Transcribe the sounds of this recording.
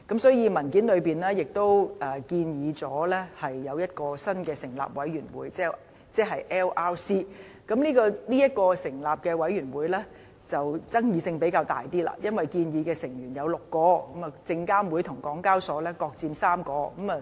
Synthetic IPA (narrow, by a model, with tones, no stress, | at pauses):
kɐ˨˥msɔː˨˥jiː˨˧mɐ˨˩nkiː˨˥nlɵ˨˧ɥpiː˨˩nlɛː˥jɪ˨k̚t̪o˥wʔɐː˨˩kiː˧njiː˨˧t͡sɔː˨˥lɛ˥hɐ˨jːɐ˨˧wjɐ˥t̚kɔː˧sɐ˥nkɛː˧sɪ˨˩ŋla̰ː˨p̚wɐ̰˨˥jyː˨˩nwṵː˨˥jt͡sɛː˥˩ | t͡sɛː˥ɦɐ˨jʔɛː˥wʔaː˥wsiː˥ | kɐ˨˥mniː˥kɔː˧liː˥jɐ˥t̚kɔː˧sɪ˨˩ŋlaː˨p̚kɛː˧wɐ˨˥jyː˨˩nwuː˨˧jlɛː˥ | t͡sɐ˨wt͡sɐ˥ŋjiː˨˧sɪ˧ŋpe˨˥jkaː˧wt̪a̰ː˨˩jt̪iː˥la̰ː˧jɐ˥nwɐ˨jkiː˧njiː˨˧kɛː˧sɪ˨˩ŋjyː˨˩njɐ˨˧wlʊ˨kːɔː˧kɐ˨˥mɐ˨t͡sɪ˧ŋkaː˥mwu˨˧˥jt̪ʰʊ˨˩ŋkɔː˨˥ŋkaː˥wsɔː˨˥lɛː˥kɔː˧k̚t͡siː˧msaː˥mkɔː˧kɐ˨˥mɐ˨